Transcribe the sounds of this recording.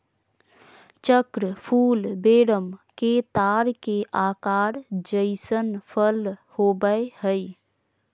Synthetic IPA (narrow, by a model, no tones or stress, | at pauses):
t͡ʃəkɾəpʰuːlbeɾəmket̪aɾkeʔakaɾd͡ʒəɪsənpʰəlhobəehəj